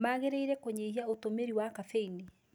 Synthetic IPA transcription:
aɣeɾeiɾɛkoɲeiaotomeɾiwakafeini

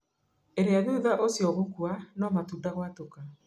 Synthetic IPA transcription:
eɾeaðuðaʔosjɔɣokwanɔmatuːndaɣwatoka

